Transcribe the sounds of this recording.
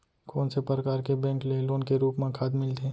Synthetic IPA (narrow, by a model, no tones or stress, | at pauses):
koːnsepəɾəkaːɾkebɛ̃ːŋkleloːnkeɾuːpmẽkʰaːd̪mɪlt̪eː